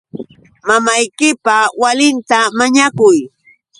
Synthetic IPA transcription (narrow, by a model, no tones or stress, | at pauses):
mamajkɪpawalɪnt̪amaɲakʊj